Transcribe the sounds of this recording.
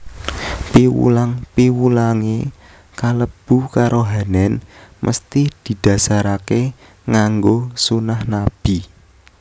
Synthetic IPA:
piwṵlaŋpiwulaŋe | kaləb̥ukaɾʔoɦanɛnmʔə̰st̪id̪̥i̤d̪̥a̤saɾake | ŋaŋɡosunahnab̥i

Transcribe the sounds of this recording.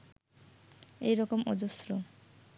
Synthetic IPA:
ejɾɔkomɔ̰d͡ʑosɾo

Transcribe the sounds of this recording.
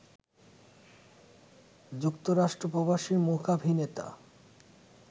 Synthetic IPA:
d͡ʑukt̪oɾaʃʈɾopɾobaʃiɾmokabʱinet̪a̰

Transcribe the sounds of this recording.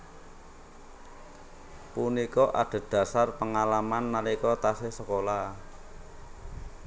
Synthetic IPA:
punikɔʔa̰ɖ̪̥a̤d̪̥ä̤sarpəŋalamanːalikɔt̪asesəkola

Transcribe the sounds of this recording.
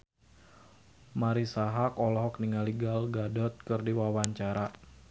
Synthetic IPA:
maɾisaɦakɔlɔɦɔkniŋaliɡalɡadɔt̪̚kɨrdiwawaɲt͡ʃaɾa

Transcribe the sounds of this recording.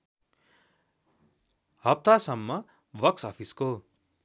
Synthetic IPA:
ɦʌp̚t̪asʌmːʌ | bʌksʌpʰisko

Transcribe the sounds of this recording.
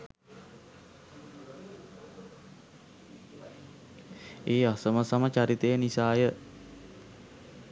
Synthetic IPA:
eːasəməsamət͡ʃaɾit̪əjənisaːjə

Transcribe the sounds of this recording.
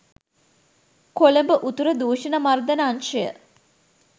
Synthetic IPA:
koləmbəʔut̪uɾəd̪uːʃɐnəmard̪ənəːnʃəjə̰

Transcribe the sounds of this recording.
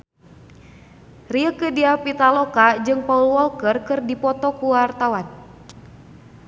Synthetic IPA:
riəkədiapit̪alɔkad͡ʒɨŋpaulwɔlkərkɨrdipɔt̪ɔkuwart̪awan

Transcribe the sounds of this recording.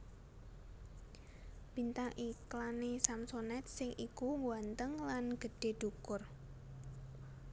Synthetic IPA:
b̥int̪aŋʔiklanesamsonɛt̪̚sɪŋʔikuŋɡwant̪əŋlanɡ̥ə̤ɖ̥e̤ɖ̪̥ukʊr

